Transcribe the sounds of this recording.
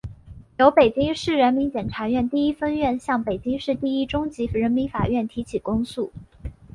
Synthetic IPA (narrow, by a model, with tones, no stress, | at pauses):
jo˧˥ʊpe˨˩ɪt͡ɕi˥ŋʂɻ̩˥˩ɻə˧˥nmi˧˥ŋt͡ɕjɛ˨˩nʈ͡ʂʰa˧˥ɥɛ˥˧nt̪i˥˩i˥fə˥nɥɛ˥˧nɕjɑ˥˩ŋpe˨˩ɪt͡ɕi˥ŋʂɻ̩˥˧t̪i˥˧i˥ʈ͡ʂʊ˥ŋt͡ɕi˧˥ɻə˧˥nmi˧˥ŋfa˨˩ɥɛ˥˩nt̪ʰi˧˥t͡ɕʰi˨˩kʊ˥ŋsu˥˩